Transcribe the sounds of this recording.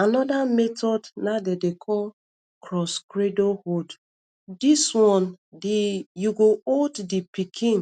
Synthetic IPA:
anɔdametɔdnadedekʰɔl | kʰɾɔskɾedohod | diswɔ̃n | dijuɡooddipikʰĩn

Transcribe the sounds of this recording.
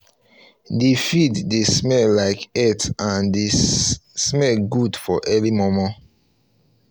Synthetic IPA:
defiddesmɛllaɪkɛtãndesmɛlɡudfɔʔɛlimɔmɔ̃

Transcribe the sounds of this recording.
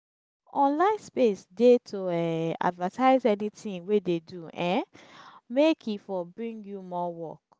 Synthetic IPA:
ɔ̃nlãɪ̃nspesdetʰoɛa̰dvətʰaɪzɛnitĩŋwededuɛ̃ | mekʰifɔbɹĩŋɡjumɔwɔ̰k

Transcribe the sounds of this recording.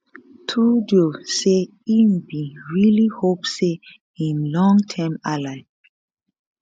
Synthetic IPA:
tʰudiose | inbiɹilihopse | ĩnlɔ̃ŋtʰɛ̃malaɪ

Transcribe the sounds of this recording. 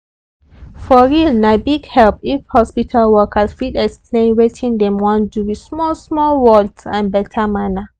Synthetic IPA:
fɔɹilnabiɡhɛlpifhɔspitʰalwɔkʰasfidɛksplẽnɹetʰĩndɛ̃mwãnduwismɔlsmɔlwɔltãnbɛtʰamana

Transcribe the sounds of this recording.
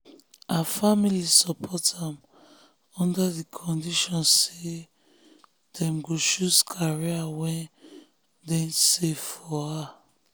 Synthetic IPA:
ʔafamilisɔpʰɔtãm | ɔ̃ndadikʰɔ̃ndiʃɔ̃nse | dɛ̃mɡoʃuskʰaɹiawɛ̃n | dɛ̃seffɔa

